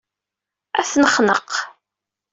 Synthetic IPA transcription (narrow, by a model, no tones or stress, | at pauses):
æθnəχnə̰q